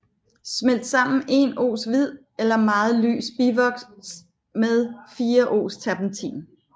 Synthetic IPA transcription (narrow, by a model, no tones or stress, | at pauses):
smel̰d̥sɑ̈m̰n̩e̝no̝̰ːsʋið̞̰ˠ | elɐmɑ̈ːð̩ˠly̰ːsb̥iʋɒ̽ɡ̥ss | meðˠfiːɐʔo̝̰ːst͡sʰæb̥n̩t͡sʰḭːn